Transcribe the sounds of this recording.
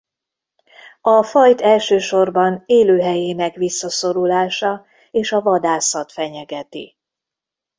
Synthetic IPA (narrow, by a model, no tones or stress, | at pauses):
ɒfɒjt̪ɛlʃøːʃo̞rbɒneːløːɦɛjeːnɛkʋisːɒso̞ɾulaːʃɒ | eːʃɒvɒd̪aːsɒt̪fɛɲɛɡɛt̪i